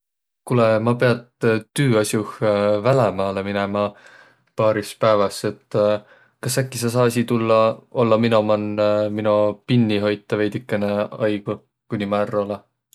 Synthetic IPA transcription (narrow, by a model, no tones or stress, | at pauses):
kulemɑpe̞ɑt̪t̪yːɑsjuhvælemɑːleminemɑ | pɑːɾispæːvɑse̞t̪ː | kɑsækːisɑs̬ɑːɑs̬ʲit̪ulːɑolːɑminomɑnminupinʲːiɦo̞jt̪ːˑɑve̞jd̪ikːˑeneɑjɡ̥u | kunʲːimɑærːole